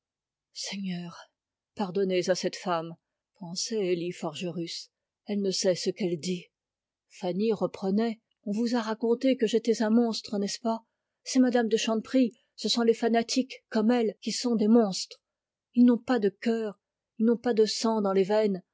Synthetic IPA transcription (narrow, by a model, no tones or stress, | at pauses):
sɛɲœːʁ | paʁd̪ɔnezasɛt̪fam | pɑ̃sɛelifɔʁʒəʁys | ɛlnəsɛsəkɛld̪i | faniʁəpχənɛ | ɔ̃vuzaʁakɔ̃t̪ekəʒet̪ɛzɛ̃mɔ̃st̪χənɛspa | sɛmad̪amd̪əʃɑ̃pχi | səsɔ̃lefanat̪ʰikkːɔmɛlkʲisɔ̃d̪emɔ̃st̪χ | ilnɔ̃pad̪əkʲœːʁ | ilnɔ̃pad̪əsɑ̃d̪ɑ̃levɛn